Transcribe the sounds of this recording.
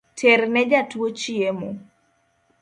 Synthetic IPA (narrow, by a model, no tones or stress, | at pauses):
tʰeɾnɛd͡ʒatwot͡ʃiemo